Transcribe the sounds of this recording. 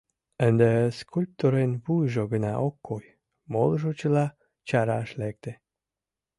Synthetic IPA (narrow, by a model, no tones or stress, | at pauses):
ənd̪eskʰulʲp̚t̪oɾenβujʒoɡənɑ̰ʔokʰːoj | molˠʒot͡ɕəlɑ | t͡ɕɑɾaʃlek̚t̪e